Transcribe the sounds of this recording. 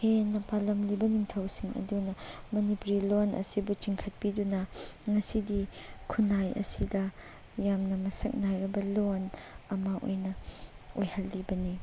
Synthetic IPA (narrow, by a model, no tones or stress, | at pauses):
henːɐpalɐmlibɐniŋtʰɐwsiŋɐ̰dunɐmɐnipuɾilonɐ̰sibut͡ʃiŋkʰɐt̚pidunɐŋɐsidikʰunajɐ̰sidɐ | jamnɐmɐsɐk̚najɾɐbɐlonɐmɐʔo̰jnɐ | ojhɐlːibɐni